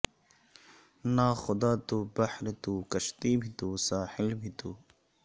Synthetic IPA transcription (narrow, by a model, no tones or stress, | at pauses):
naːxʊd̪aːt̪ubɐħɾt̪uːkɐʃt̪iːbʱit̪uːsaːhɪlbʱit̪uː